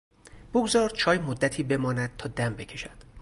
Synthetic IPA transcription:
b̥oɡzɒːɾd̪̥̚t͡ʃʰɒːjmod̪ːæt̪ʰiːbe̞mɒːnæd̪̥̚t̪ʰɒːd̪æmbe̞cʲʰe̞ʃæd̪̥

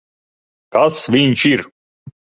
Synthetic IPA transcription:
kasvint͡ʃiɾ

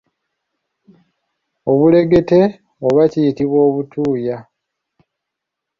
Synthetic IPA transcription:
o̞βule̞ɡe̞te̞ | oβacijitiβwo̞ːβutuːja

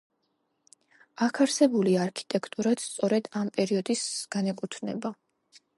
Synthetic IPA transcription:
akʰaɾsɛbuliaːɾkʰi̥t̪ʼɛkʰt̪ʼuɾat̪st̪sʼɔɾɛd̪ampʼɛɾiɔd̪isɡ̥anɛkʼut̪ʰnɛ̰ba

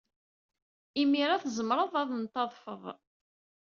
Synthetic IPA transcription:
imiɾaθzəmɾˤəðˤɑðˤnt̪ːɑðˤfəðˤ

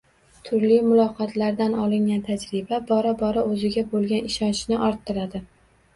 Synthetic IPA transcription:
t̪ʰʊɾlijmʊlˠɒqʰɒt̪ʰlaɾd̪anɒlˠɪŋɡʲant̪ʰad͡ʒɾɪbabɒɾabɒɾaɵzɪɡʲabolˠɡʲanɪʃɒnt͡ʃʰnɪʔɒɾt̪ʰːɪɾad̪ɪ

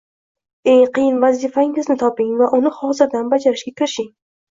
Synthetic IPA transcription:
ejqɨjɪnvazifaɪŋɪznɪt̪ʰɒpɪŋvaʔʊnɪhɒzɪɾd̪anbad͡ʒaɾɪʃɡʲakʲʰɪɾɪʃɪŋ

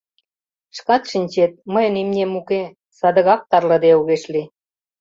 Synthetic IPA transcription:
ʃkɑt̪ʃinʲt͡ɕet̪̚məjənimnʲemuke | sɑd̪ə̆ɣɑk̚t̪ɑrlɤ̆d̪euɣeʃli

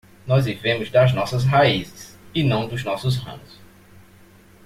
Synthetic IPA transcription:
nɔzvivẽmʊzd̪ɐznɔsɐzɦaizɪsɪnɐ̃w̃d̪ʊznɔsʊzɦɐ̰̃m̃ʊs

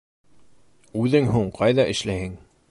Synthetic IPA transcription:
ʉðɘŋɦuɴqʰɑjðɑʔɘ̆ʃlæhɘŋ

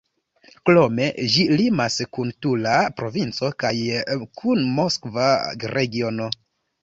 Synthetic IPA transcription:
klome̞ʒilimaskuntulapɾo̞vint͡so̞kajkʰunmo̞skvaɾe̞ɡio̞no̞

